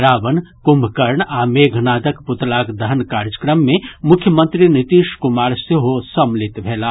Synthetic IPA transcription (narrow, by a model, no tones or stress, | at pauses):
ɾaːʋənkʊmbʱkəɾɳaːmeːɡʱnaːd̪əkpʊt̪laːkd̪əɦnkaːɾd͡ʒəkɾəmːẽmʊkʰjəmə̃nt̪ɾinɪt̪iːʃkʊmaːɾseɦosɐmlɪt̪bʱeːlaː